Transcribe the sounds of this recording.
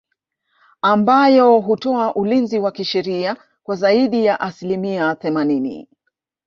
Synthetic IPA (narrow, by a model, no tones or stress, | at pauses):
ambajɔɦutɔaʔulinziwakiʃɛɾia | kwazaiɗijaʔasilimiaθɛmaninḭ